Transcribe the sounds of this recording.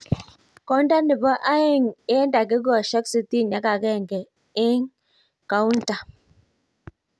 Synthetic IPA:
kɔ˦nda˦nɪ˨ba˦ʔa˦ɪ˦˨ŋe˦nda˨ɡɪ˦ɡɔ˨ʃa˦ksi˦ti˦na˦ka˨ɡɛ˦˨ŋɡɛ˨ | ɪ˦ŋ | ka˨u˦nta˨

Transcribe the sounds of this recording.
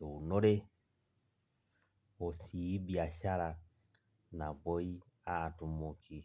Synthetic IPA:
u˨no˦ɾe˦ | o˨si˨˦bi˨a˨ʃa˦ɾa˨ | na˨bɔ˦i˦ | a˦˨tu˨mu˨ki˨

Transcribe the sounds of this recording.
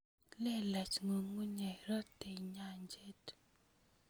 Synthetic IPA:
lɛ˦la˨t͡ʃŋo˨ŋu˦ɲa˨ɾɔ˦te˨ɲa˨ɲd͡ʒe˦t

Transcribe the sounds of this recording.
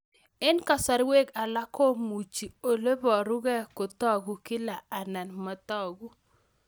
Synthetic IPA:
ɪ˦nka˨sa˨ɾwe˦ka˨la˦ko˦mu˨t͡ʃi˨o˨le˦bɔ˨ɾu˦ɡɛ˦kʊ˨tɔ˦ɡu˦kɪ˦la˨a˨na˨nma˨tɔ˦˨ɡu˦

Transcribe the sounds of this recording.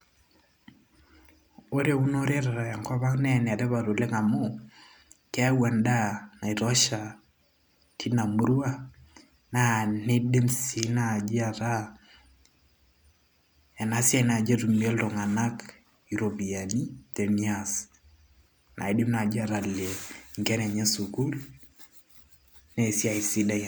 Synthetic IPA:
o˦ɾe˦u˦no˦ɾe˦ɾa˨ɾa˨ja˨ŋka˦βa˦knɛ˦n˨a˨ɾɛ˦βa˨ɾo˨le˦ŋa˨mo˦ | kɛ˦wa˨nda˦na˨i˨ɾɔ˦ʃa˨ | kʰi˦na˨mu˦ɾu˦a˦ | na˨ne˦de˦msi˨nad͡ʒi˦a˨ɾa˦ | ɛ˨na˨si˦a˦na˨d͡ʒa˦ɾu˨mi˨ɛ˦lɾɔ˨ŋa˨na˦k | i˨ɾo˨bi˨a˨ni˦tɛ˨nias | na̰˨i˨ɗe˦mna˨d͡ʒi˦a˨ɾa˨lɛ˨ŋɡɛ˦nɛ˨ɲɛ˦su˨ku˦l | nɛ˦˨si˦a˨i˨si˦da˦

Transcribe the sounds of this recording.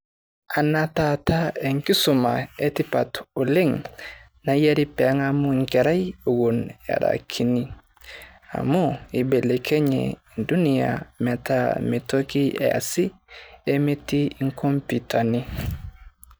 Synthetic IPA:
a˨na˦ta˨ta˦e˨ŋki˦su˨ma̰˨e˦ti˦pa˨to˨le˦ŋ | na˨je˦ɾi˦pɛ˨a˦ŋa˦mu˦ŋke˨ɾa˦jo˨ɡo˨na̰˨ɾa̰kʰi˨ni˦ | a̰˨mo˦i˨be˨le˨kʰe˦ɲḛ˨i˨ndu˦ni˨ja̰˨mɛ˨ta˦mi˨to˦ki˦ḛ˨a̰˨si˦e˦me˦ti˦i˦ŋko˦mpita˨ni˦

